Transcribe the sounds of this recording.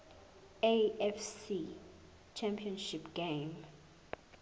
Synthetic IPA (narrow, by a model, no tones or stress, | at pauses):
eɛfsi | t͡ʃʰɛ̃mpʰiɔnʃipɡ̥ẽm